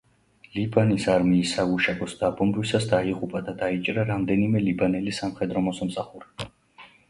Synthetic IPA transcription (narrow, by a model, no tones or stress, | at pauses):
libanisaɾmiːsːaɡuʃaɡɔsd̪abɔmɾwisasd̪aiʁupʼad̪ad̪ait͡ʃʼɾaɾamd̪ɛnimɛlibanɛlisamχɛd̪ɾɔmɔsamsaχuɾi̥